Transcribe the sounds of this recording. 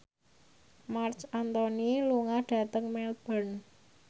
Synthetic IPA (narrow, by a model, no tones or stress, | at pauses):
mart͡ʃant̪ɔniluŋahɖ̥a̤t̪əŋmɛl̚b̥ən